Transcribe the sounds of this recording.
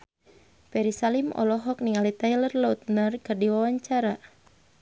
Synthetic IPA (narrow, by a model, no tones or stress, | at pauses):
pɛɾisalimɔ̰lɔɦɔk̚niŋalit̪ajlərlaut̪̚nərkɨrdiwawaɲt͡ʃaɾa